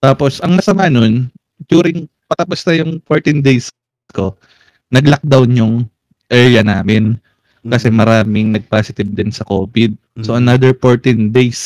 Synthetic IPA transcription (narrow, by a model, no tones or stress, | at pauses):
t̪aːpo̞sʔɐŋmɐsɐmaːno̞n | d͡ʒ̪juːɾɪŋ | pɐt̪ɐposnɐjʊŋfoɹt̪ɪnd̪ejs | ko̞ | nɐɡlɐk̚d̪awnjʊŋ | ʔɛɹjɐnaːmɪn | kɐsɛmɐɾaːmɪŋnɐɡ̚paːsɪt̪ɪb̚d̪ɪnsɐko̞ːbɪd̪̚ | soʔɐnad̪ɛɹfoɹt̪ɪnd̪ejs